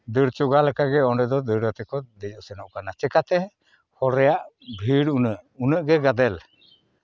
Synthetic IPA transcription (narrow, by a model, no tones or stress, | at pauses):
d̪əɾt͡ʃɔɡalakaɡɛɔɖɛd̪ɔd̪əɾat̪ɛkɔd̪ɛd͡ʒɔsɛnɔʔkanat͡ʃɛkat̪ɛ | hɔɾɛjaʔ | bʱiɽunəʔunəʔɡɛɡad̪ɛl